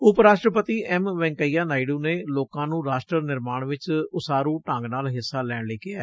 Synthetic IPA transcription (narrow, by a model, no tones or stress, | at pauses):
ʊpɾaːʃʈɾəpət̪iːɛmʋɛ̃ːŋkəiːaːnaːiɖũːneːloːkãːnũːɾaːʃʈɾəɾnɪɾmaːɳʋɪt͡ʃʊsaːɾũːʈãŋɡnaːlɦɪsːaːlɛːɳleːkɪaː